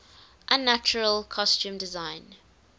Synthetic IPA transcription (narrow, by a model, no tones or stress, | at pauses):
ʔãnːat͡ʃəɹəlˠkʰɔstũːmdɪzãɪ̃n